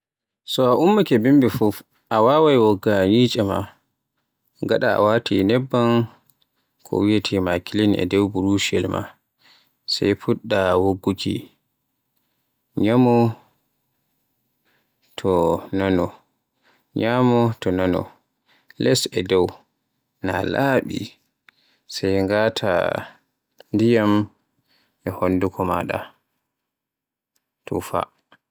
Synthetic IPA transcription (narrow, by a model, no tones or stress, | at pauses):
sɔaʔumːakɛbimbifuf | ʔawawajwɔɡːaɲiːt͡ʃʼɛma̰ | ɡaɗaa̰watʰinɛbːan | kʰɔ̰wijatʰimakilinɛ̰dɛwbuɾuʃɛlma̰ | sa̰jpuɗːawoɡːukʰḭ | ɲamɔ | tʰɔnanɔ | ɲamɔtɔnanɔ̰ | lɛsɛdɔw | nalʔaɓḭ | sɛjŋɡatʰa̰ | ndijam | ʔɛhonːdukʰɔmaɗa̰ | tʰṵfa̰